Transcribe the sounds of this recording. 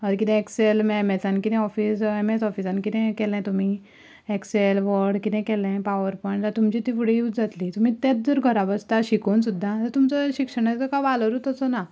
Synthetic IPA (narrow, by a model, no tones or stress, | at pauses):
əɾk̬it̪ɛ̃ekselmɛmɛsankit̪ɛ̃ɔfiːsemesɔfisankit̪ɛ̃kɛlɛ̃t̪um̤i | ekselʋɔɾɽkit̪ɛ̃kɛlɛ̃paʋəɾpɔjɳʈt̪at̪umt͡ɕit̪ifuɽ̤ejuːd͡zd͡zat̪lit̪um̤it̪ɛ̃t͡s̚d̪əɾɡʱəɾabəst̪aɕikoːnsud̪ʱːat̪ət̪umt͡səɕikʂəɽ̃akəkaʋaləɾut̪əsɔna